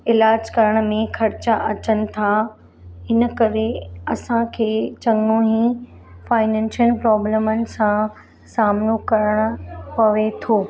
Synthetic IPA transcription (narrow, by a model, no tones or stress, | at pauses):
ɪlaːd͡ʑkɐɾəɽ̃mẽxʰɐɾt͡ɕaʔɐt͡ɕənɪ̆t̪ʰa | ɦɪnə̆kɐɾeɐsãkʰeːt͡ɕɐŋnoɦĩ | faːɪnɛ̃ːnsəlpɾɔːbleːmənɪ̆sã | saːmnokɐɾəɽ̃ʊ̆pɐʋet̪ʰoː